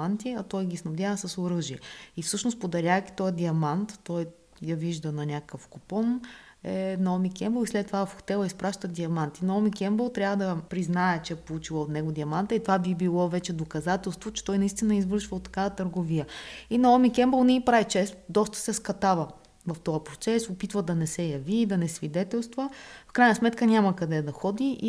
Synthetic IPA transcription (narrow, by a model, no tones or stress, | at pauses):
ant̪iɐt̪ɔjɡʲisnɐbd̪jaɐsɐsoɾɤʒiɛifsɤʃnospod̪ɐɾʲavəki̥t̪ɔjɐd̪ʲiɐmant̪ːɔj | jɐviʒd̪ənɐnʲakəkəfkopɔnɛnɐɔmikʲɛmbəlˠislɛt̪ːovaɐfxt̪ɛlˠəispɾaʃt̪əd̪ʲiɐmant̪inɐɔmikʲɛmbəlˠt̪ɾʲavəd̪ɐpɾiznaɛt͡ʃɛɛpolˠut͡ʃilˠəot̪nɛɡod̪iɐmant̪əit̪ovabibilˠɔvɛt͡ʃɛd̪okɐzat̪ɛlˠst̪vot͡ʃɛ̥t̪ɔjnɐist̪inɐizvɤɾʃvəot̪ːɐ̥kavət̪əɾɡovijəinɐɔmikʲɛmbəlˠnɛipɾaɛt͡ʃɛst̪d̪ɔst̪ə̥sɛskɐt̪avə | vɐft̪ɔɐpɾot̪sɛsopit̪vəd̪ɐnɛsɛjɐviːd̪ɐnɛsvid̪ɛt̪ɛlˠst̪vəfkɾajnɐsmɛt̪kənʲamɐkɐd̪ɛd̪ɐxɔd̪iʔ